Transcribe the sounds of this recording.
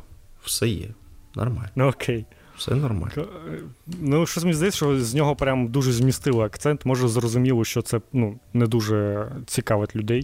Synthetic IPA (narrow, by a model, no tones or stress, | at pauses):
w̥sɛjɛ̰nɔ̰rma̰lʲɔkʰej | sɛ̰nɔrma̰l | nuʃt͡ʃɔsʲmʲizd̪ɐjɛt͡sʲsʲʃt͡ʃɔzʲnʲɔɦɔpɾʲamd̪uʒɛzʲmʲist̪ɪlˠɪɐkt̪sɛnt̪mɔʒɛzrɔzʊmʲilˠɔʃt͡ʃɔt̪sɛnunɛd̪uʒɛt͡sʲikɑʋɪt̪ʲlʲʊd̪ɛj